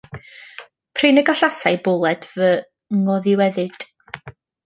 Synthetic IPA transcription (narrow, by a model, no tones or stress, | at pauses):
pʰrenəɡaɬasajbʊlˠɛdvə | ŋɔðɪwɛðɨd̥